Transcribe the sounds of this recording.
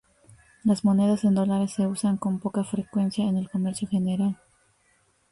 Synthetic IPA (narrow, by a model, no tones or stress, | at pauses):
lazmo̞ne̞ðase̞nd̪o̞laɾe̞sːe̞usaŋko̞mpo̞kafɾekwe̞nsjaene̞lko̞me̞ɾsjo̞xe̞ne̞ɾal